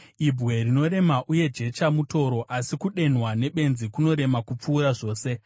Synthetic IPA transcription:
ibʱwe̞rino̞ɾe̞maʔuje̞d͡ʒe̞t͡ʃamuto̞ɾo̞ʔasikuɗe̞n̤wane̞ɓe̞nzikuno̞ɾe̞makup͡fuːɾaʐo̞ːse̞

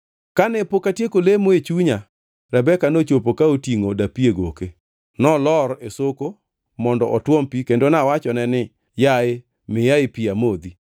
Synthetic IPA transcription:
kanɛpokatjekolemoet͡ʃuɲa | ɾɛbɛkanot͡ʃopokaotiŋodapieɡoke | nɔlɔɾesoko | mɔndɔʔɔtwɔmpikendonawat͡ʃɔnɛnɪ | jaɪ | mɪjaɪpiamod̪i

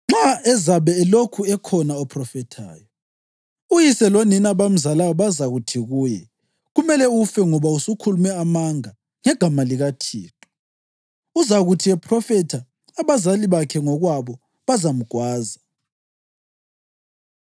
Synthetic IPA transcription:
ŋ͡ǁaɛzaβɛːlokʰuɛkʰɔnaɔpʰrɔfɛtʰa̰ːjɔ | ujisɛloninaβam̩zalawɔβazaɣutʰiɣuːjɛ | ɣumɛlɛufɛŋɔβausukʰulumɛamaŋa | ŋɛɡ̥ʱamaliɣatʰḭːtʰʼɔ̥ | uzaɣutʰiɛpʰrɔfɛtʰaː | βazaliβakʰɛŋɔɣwaβɔ | βazam̩ɡ̥ʱwaːza

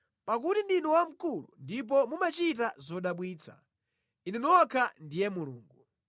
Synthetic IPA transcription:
pak̬utindinɔwam̩kulṵndip̬ɔmumat͡ʃit̬azɔɗaɓwiːt͡sʰḁ̰ | ininɔakʰandijɛmulṵːŋɡu

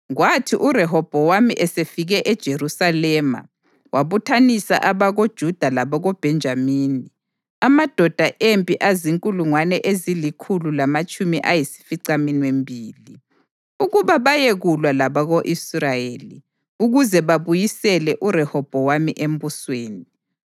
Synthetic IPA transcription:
ɣwatʰiʔurɛɦɔb̥ʱɔwamiʔɛsefiɣɛʔɛd̥ʒ̥ʱerusalɛːma̰ | wʔaβutʰanisa̰ʔaβaɣod̥ʒ̥ʱud̥ʱalaβɔɣob̥ʱɛnd͡ʒʱamiːni | amad̥ʱɔd̥ʱaʔempʼiʔaziŋkʼuluŋwanɛʔezilikʰululamat͡ʃʼumiʔajisi̥fiǀaminwembʱiːli | uɣuβaβajeɣulwalaβaɣoʔisrajeːli | uɣuzɛβaβujisɛlɛʔurɛhɔb̥ʱɔwamiʔem̩busweːni

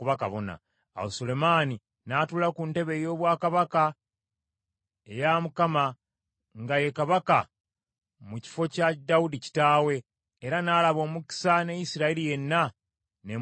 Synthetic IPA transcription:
kuβaka̰βo̞na̰ | a̰wosole̞maːni | natulakunte̞βe̞jo̞ːβwaːkaβaka | ejamukama | ŋɡaje̞kaβaka | muci̥fo̞cadaudici̥taːwe̞ː | ɾanaːlaβo̞ːmuki̥sane̞jisiɾailije̞nːa | ne

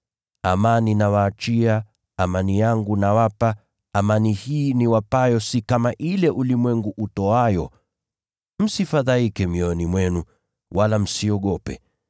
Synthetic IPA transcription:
amaninawaːt͡ʃia | amanijaŋɡunawapaː | manihiːniwapajɔsikamaʔilɛʔulimwɛŋɡuʔutɔajɔ | m̩sifaðaikɛmiɔnimwɛnu | walam̩siɔɠɔpɛ̰

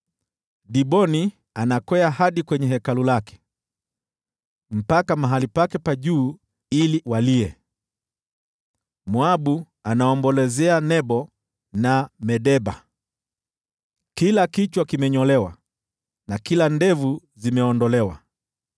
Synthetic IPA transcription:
ɗiɓɔni | anakwɛahaɗikwɛɲɛɦɛkalulakɛ̥ | m̩pakamaɦalipakɛpaʄuː | iliwaliɛ | mwaɓu | anaɔmbɔlɛzɛanɛɓɔ | namɛɗɛɓa̰ | kilakit͡ʃwakimɛɲɔlɛwa | nakilandɛvu | zimɛɔndɔlɛwa̰

